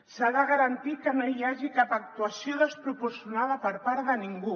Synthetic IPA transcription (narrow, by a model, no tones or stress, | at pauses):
saðəɣəɾant̪it̪̚kənoiaʒikapak̚t̪uasioðəspɾupuɾsjunaðəpəɾpaɾðəniŋɡu